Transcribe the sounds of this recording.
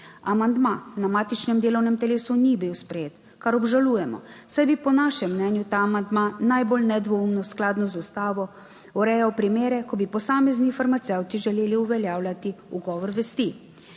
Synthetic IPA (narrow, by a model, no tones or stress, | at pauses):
amand̪manamaːt̪it͡ʃnɛmd̪eːlɔwnɛmt̪ɛleːsunibiwspɾɛjeːt̪ | kaɾɔbʒaluːjɛmɔ̰ | sajbipɔnaːʃɛmːnɛnjut̪aːmand̪manajbolnɛd̪ʋɔumnɔsklaːd̪nɔzust̪aːʋɔ | ɔɾɛjawpɾimeːɾɛkɔbipɔsaːmɛznifaɾmat̪sɛwt̪iʒɛleːliuʋɛljaːwlʲat̪iuɡɔːʋɔɾʋɛst̪i